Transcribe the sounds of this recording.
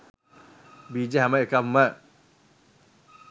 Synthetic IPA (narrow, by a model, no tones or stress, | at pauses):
bid͡ʒaɦamaʔkamaʔ